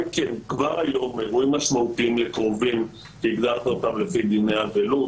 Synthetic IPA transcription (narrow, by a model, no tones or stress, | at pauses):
kenkvaʁajo̞meʁuimːaʃmaut̪iimlekʁovim | keiɡd̪aʁt̪ot̪avlefid̪inejavelut